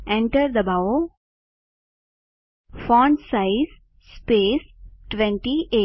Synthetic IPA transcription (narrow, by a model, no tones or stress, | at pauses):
ɛ̃ɳʈəɾd̪əbaʊ | fɔ̃ːɳɖsaɪz | speːsʈʋɛ̃ɳʈiʔeː